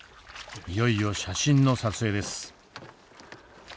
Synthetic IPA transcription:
jo̞io̞ɕaɕĩnnːo̞sat͡sɨe̞ːd̪e̞sɨ̥

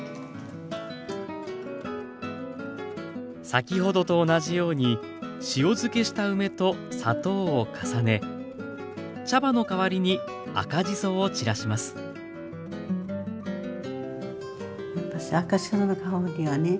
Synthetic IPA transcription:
sakʲiɦo̞d̪o̞t̪o̞ːnaʑijo̞ːɲ̟i | ɕio̞zɨke̞ɕi̥t̪aɯ̟me̞t̪o̞sa̰t̪o̞ːokʰḁsane̞ | t͡ɕabano̞kaβaɾʲiɲ̟i | a̰kaʑiso̞ːt͡ɕiɾaɕimasɨ̥ | japːaɕiakaɕi̥ananakʰaod̪ʲeβane

